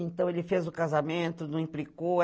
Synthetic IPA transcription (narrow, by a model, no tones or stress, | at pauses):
ẽnt̪ɐ̃w̃elɪfezʊkazamẽnt̪ʊnɐ̃w̃ĩplikow